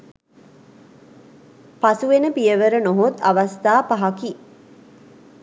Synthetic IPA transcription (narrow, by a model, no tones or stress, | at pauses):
pasuʋenəpijəʋəɾənoɦot̪aʋast̪aːpaɦaki